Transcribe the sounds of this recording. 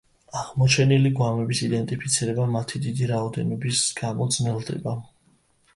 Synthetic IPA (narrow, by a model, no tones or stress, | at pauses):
aʁmɔt͡ʃʰɛniliɡwamɛbisid̪ɛnt̪ʼipʰit̪sʰiɾɛbamat̪ʰid̪id̪iɾaɔd̪ɛnɔbisɡ̥amɔd̪znɛlˠd̪ɛ̰ba